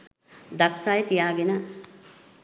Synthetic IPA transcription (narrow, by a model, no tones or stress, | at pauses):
d̪aksaːjət̪ijaːɡenə